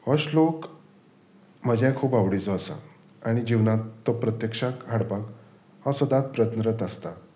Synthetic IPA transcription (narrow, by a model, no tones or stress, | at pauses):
həɕlok | m̤əd͡ʑʱjãkʰuːpaʋɽit͡sɔːsa̰ | aɽ̃id͡ʑiwnat̪ːɔpɾət̪jəkʂãkɦaɽpak | hasəd̪at̪̚pɾət̪nɾət̪əst̪a